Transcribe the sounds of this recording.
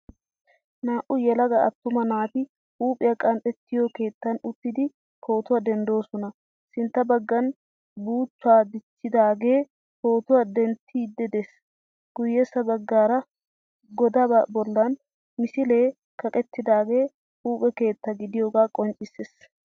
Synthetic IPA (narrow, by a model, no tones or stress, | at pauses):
naːʔʊjɛlɐɡɐɐt̪ːʊmɐnaːt̪ɪ | huːpʼɪjɐkʼɐnt̪ʼɛt̪ːɪjoke̞ːt̪ːɐnʊt̪ːɪd̪ɪ | kʰo̞ːt̪ʊwɐd̪ɛnd̪o̞ːsɔnɐ | sɪnt̪ːɐbɐɡːɐn | buːt͡ʃːaːd̪ɪt͡ʃːɪd̪aːɡe̞ː | ko̞ːt̪ʊwɐd̪ɛnt̪ʰːɪd̪ːɛd̪es | ɡ̥ʊjːɛsːɐbɐɡːaːɾɐ | ɡɔd̪ɐbɐbɔlːɐn | mɪsɪle̞ː | kʰɐkʼɛt̪ːɪd̪aːɡe̞ː | huːpʼɛke̞ːt̪ːɐɡɪd̪ɪjoːɡaːkʼɔnt͡ʃʼɪses